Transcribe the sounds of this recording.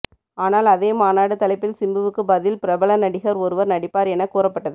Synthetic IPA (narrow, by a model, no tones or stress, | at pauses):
aːnaːlɐðeːmaːnaːɽɯt̪ɐlɐɪpːɪlsɪmbɯʋɯkːɯbɐðɪlpɪɾɐbɐɭɐnɐɽɪɣɐɾɔɾɯʋɐɾnɐɽɪpːaːɾɛnɐkːuːrɐpːɐʈːɐðɯ